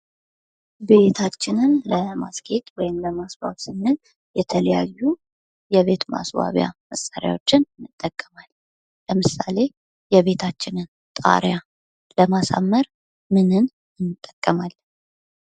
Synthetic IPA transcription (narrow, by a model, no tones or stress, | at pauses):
be̞t̪ʰat͡ʃːɪnɨnləmaskʰe̞t̪wɔjɪmləmasba̰βsɨnːɨn | jɛt̪ʰələjajːu | jɛβe̞t̪ma̰swa̰βja̰məsaɾja̰wo̞t͡ʃːɪnnɨt̪ʼːəkʼːəmal | ləmɨsale̞ | jɛβe̞t̪ʰat͡ʃːɪnɨn | t̪ʼa̰ɾja | ləmasa̰mːəɾ | mɨnɨn | ɨnːɨt̪ʼːəkʼːəmal